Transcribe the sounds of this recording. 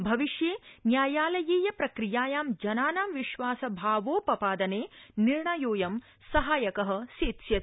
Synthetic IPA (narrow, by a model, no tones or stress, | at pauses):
bʱɐʋiʃjeːnjaːjaːlɐjiːjɐpɾɐkɾijaːjaːmd͡ʒɐnaːnaːmʋiʃʋaːsɐbʱaːʋoːpɐpaːd̪ɐneːniɾɳɐjoːjɐm | sɐɦaːjɐkɐɦɐ̆siːt̪ʃjɐt̪